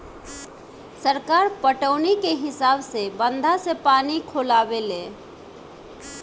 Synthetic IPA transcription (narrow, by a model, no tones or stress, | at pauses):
səɾkaɾpəʈəʊnikeɦɪsabsebənd̪ʱasepanikʰolabelẽ